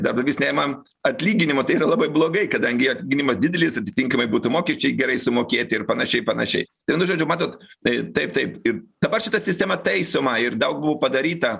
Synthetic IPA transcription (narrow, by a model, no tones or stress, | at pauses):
d̪ɐrb̚d̪ɐɡʲɪːsnʲæːjʲɪmɐ | ɐt̪ʲlʲiːɡʲɪnʲɪmoːt̪ɐɪiːɾɐlˠɐbɐɪblˠoːɡɐɪkɐd̪ɐŋʲɡʲɪɐt̪ʲlʲiːɡʲɪnʲɪmɐsd̪ʲɪd̪ʲɛlʲɪsɐt̪ʲɪt̪ʲɪŋkɐmɐɪbuːt̪ʊmoːkʲɛʃʲt͡ʃʲɛɪɡʲɛɾɐɪsʊmoːkʲeːt̪ʲɪɪrpɐnɐʃʲɛɪpɐnɐ̰ʃʲɛ̰ɪt̪ɐɪnʊʒoːd͡ʒʲʊmɑːt̪oːt̪t̪ɐɪp̚t̪ɐɪpɪrd̪̥ɐbɐrʃʲɪt̪ɐsʲɪsʲt̪ʲɛmɐt̪ɐɪsomɐɪrd̪ɐʊk̚bʊʋoːpɐd̪ɐɾʲiːt̪ɐ